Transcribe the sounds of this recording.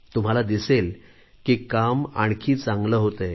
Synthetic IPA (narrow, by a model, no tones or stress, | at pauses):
t̪um̤alad̪isel | kiːkama̰ɽkʰiːt͡sãŋɡləːɦot̪əj